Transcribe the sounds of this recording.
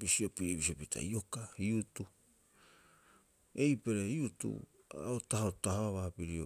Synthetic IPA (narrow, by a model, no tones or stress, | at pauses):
bisio̞piɾibisiopitʰa̰io̞kaiutu | e̞jpe̞ɾeiutṵa̰otahotahoβaβapiɾio̞̰